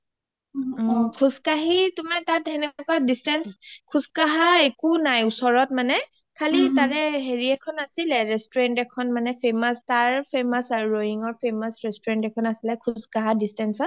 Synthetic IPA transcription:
kʰuskaɦitʊmaɹtatɛnɛɛkɔadistɛnskʰuskaɦaekunajusɔɹɔt̚manɛ | kʰalitaɹɛɦeɹiɛkʰɔnasilɛɹɛstɔɹɛntɛkʰɔnmanɛpʰemastaɹpʰemasaɹuɹojiŋɔɹpʰemasɹɛstɔɹɛntɛkʰɔnasilɛkʰuskaɦadistɛnsɔt̚

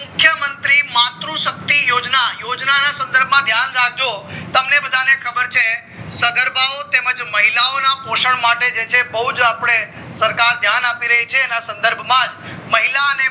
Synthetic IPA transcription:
mʊkʰjəmənt̪ɾimat̪ɾũʃək̚t̪ijod͡ʒnajod͡ʒnanasə̃nd̪əɾbʱmãd̪ʱjanɾaɡ̚d͡ʒot̪əmnebəd̪ʱanekʰəbəɾt͡ʃʰe | səɡ̪əɾbʱaot̪eməd͡ʒməɦilaonapoʃəɳmaʈed͡ʒet͡ʃʰebəɦud͡ʒapɽ̃e | səɾkaɾd̪ʱjanapiɾəɦit͡ʃʰeːnasə̃nd̪əɾbʱmãd͡ʒməɦilaəne

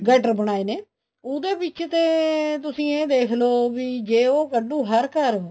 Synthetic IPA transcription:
ɡɛːʈəɾbəɽ̃aːeːneː | ʊd̪eːbɪt͡ʃt̪eːt̪ʊsĩːeːd̪eːkʰloːʋiːd͡ʒeːoːkəɖũːɦəɾkəɾ

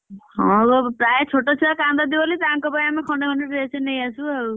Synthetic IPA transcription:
hɔ̃opɾajet͡ʃʰoʈɔt͡ʃʰiakand̪ad̪ibɔlit̪aŋkɔpaamikʰɔɳɖekʰɔɳɖeɾet͡ʃʰenejasũaɾu

